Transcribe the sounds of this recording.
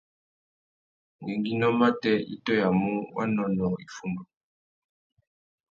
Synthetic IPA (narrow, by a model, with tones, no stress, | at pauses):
ŋɛ˨ŋɡi˦nɔ˦ma˦tɛ˦ḭ˦tɔ˦ja˨mu˦wʔa̰˦nɔ˦nɔ˨i˨fu˦mba˨